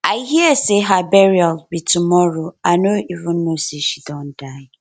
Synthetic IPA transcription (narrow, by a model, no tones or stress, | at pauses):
aɪɦiəseɦabɛɹiɔlbitumɔɹoaɪnoʔivũnːoseʃidɔ̃nd̥aɪ